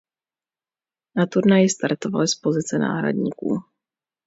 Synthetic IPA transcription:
nat̪uɾnajɪst̪aɾt̪o̞valɪspo̞zɪt͡sɛna̰ːɦɾa̰dɲḭːkṵː

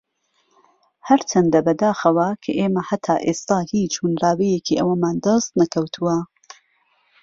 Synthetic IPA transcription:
hɐɾt͡ʃʰɐnd̪ɐbɐd̪aːxɐwɐkʰɐʔeːmɐhɐt̪ʰaːʔeːst̪aːhiːt͡ʃʰuːnraːwɛjekʰiːʔɐwɐmaːnd̪ɐst̪nɐkʰɐwt̪ʰuwɐ

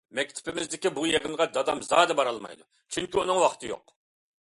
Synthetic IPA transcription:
mɛk̚ʲt̪ʰɪ̥pʰɪmɪzd̪ɪkʲibujeʁɪmʁɑd̪ɑd̪ɑmzɑːd̪ɛbɑɾɑlˠmɑ̰jd̪u | t͡ʃʰyŋkʲiunɨŋwɑχʰt̪ʰɨjo̰q

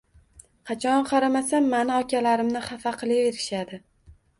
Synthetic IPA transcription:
qʰɑt͡ʃʰɒnqʰɑɾamasanːanɪɒkʲʰalaɾɪmnɪχɑfaqʰɨlˠɪeɾɪʃad̪ɪ

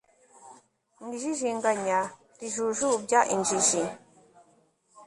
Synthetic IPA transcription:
n̩diʒiʒiŋɡaɲa | tiʒuʒubjaʔind͡ʒiʒi

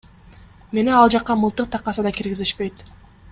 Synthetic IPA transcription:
me̞neɑlˠd͡ʒɑqːɑmɯlˠt̪ɯq̚t̪ʰɑqːɑsɯd̪ɑkiɾɡiziʃpe̞jt̪

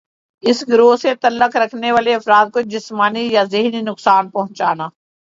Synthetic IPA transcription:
ɪsɡɾoːɦset̪ɐlːəkɾɐkʰneʋaːleɐfɾaːd̪̚kod͡ʒɪsmaːnijazɪɦninʊksaːnpɐɦʊ̃nt͡ʃaːnaː

